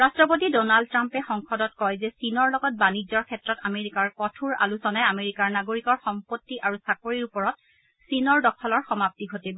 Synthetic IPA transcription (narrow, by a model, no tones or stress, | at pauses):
ɹastɹɔpot̬idɔnald̚tɹampɛxɔŋxɔdɔtkɔjzɛsinɔɹlɔɡɔt̚banizɔɹkʰɛtɹɔtameɹikaɹkɔtʰuɹa̰lusɔnajameɹikaɹnaɡoɹikɔɹxɔmpotːiʔaɹusakoɹiɹupɔɹɔt̚ | sinɔɹdɔkʰɔlɔɹxɔmap̚tiɡʱoteb